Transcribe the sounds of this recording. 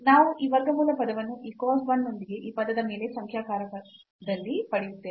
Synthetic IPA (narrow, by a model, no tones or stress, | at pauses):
naːʋuʔiʋɐɡɐmuːlɐpɐd̪ɐʋɐnːuʔiːkoːsbɐnːo̞nd̪iɡe̞ʔiːpɐd̪ɐd̪ɐmeːle̞sɐŋkʰjaːkaːɾɐkɐ | d̪ɐlːipɐɽijut̪ːeː